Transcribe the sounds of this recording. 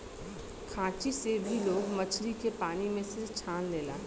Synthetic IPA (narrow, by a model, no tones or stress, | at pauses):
kʰãːt͡ʃisebʱiloːɡmɐt͡ʃʰɾikepaːnimẽsɪɾt͡ʃʰaːnleːla̰ː